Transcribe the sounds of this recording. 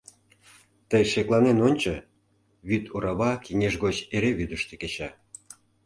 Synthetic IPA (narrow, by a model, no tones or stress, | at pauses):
t̪əjʃeklˠɑnenonʲt͡ɕo | βyt̪uɾɑβɑkiŋʲeʒɣot͡ɕeɾeβyd̪əʃt̪ĕ̥ket͡ɕɑ